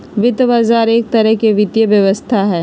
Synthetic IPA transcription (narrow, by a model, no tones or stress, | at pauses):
ʋɪt̪ʋaːzaːɾeːk̚t̪ɐɾəɦkeʋɪt̪jəʋjəʋəst̪ʰaɦɛː